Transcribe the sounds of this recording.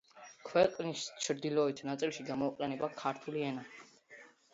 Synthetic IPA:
kʰwɛqʼnist͡ʃʰɾd̪ilɔit̪ʰnat̪sʼilˠʃiɡamɔiqʼɛnɛbakʰaɾt̪ʰuliɛna

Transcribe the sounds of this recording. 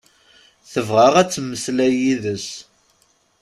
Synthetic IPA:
θəvʁaʁæt͡sːmːəslæjiðəs

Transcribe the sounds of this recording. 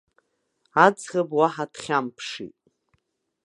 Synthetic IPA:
ad͡zχʲabwaħadʰχʲampʰʂḭtʼ

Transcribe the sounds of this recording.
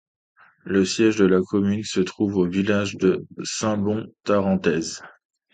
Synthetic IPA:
ləsjɛʒd̪əlakɔmynsət̪χuvovilaʒd̪əsɛ̃bɔ̃t̪aʁɑ̃t̪ɛz

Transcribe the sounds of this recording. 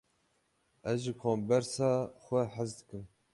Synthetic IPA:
ɛzʒikʰoːmbɛɾsɑːxʷɛħazd̪ɨkɨm

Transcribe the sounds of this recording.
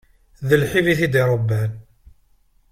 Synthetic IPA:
ðəlħiviθid̪iɾˤəbːæn

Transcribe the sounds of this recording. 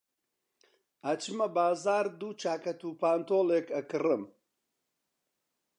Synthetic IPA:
ɐt͡ʃɨmɐbaːzaːɾd̪uːt͡ʃaːkɐt̪upaːnt̪oːleːkɐkɨrɨm

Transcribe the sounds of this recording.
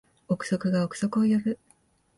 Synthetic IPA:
o̞kɯ̟̥so̞kɯ̟ɡaokɯ̟̥so̞kojoɾɯ̟

